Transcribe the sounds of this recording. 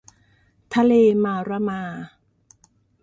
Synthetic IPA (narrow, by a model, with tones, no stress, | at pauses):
t̪ʰa˧leː˧maː˧˩ɾa˧maː˧